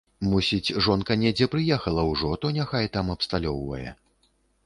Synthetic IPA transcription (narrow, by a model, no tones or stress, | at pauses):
musʲit͡sʲʐɔnkɐnʲɛd͡zʲɛpɾɨjɛxɐlˠɐwʐɔt̪ɔnʲaxajt̪amɐpst̪alʲɔwvɐ̰jɛ̰